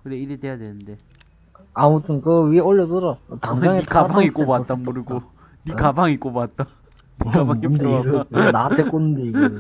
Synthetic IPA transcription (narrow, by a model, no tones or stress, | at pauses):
kɯɾeiɾedejadwenɯnde̞ | amutʰɯnkɯwioʎːʌtoɾataŋaŋetʰkabaŋik͈obatt͈amoɾɯɡo | nikabaŋik͈obat̚t͈a | nikabaŋimdɯnat͈ek͈onndeiɯ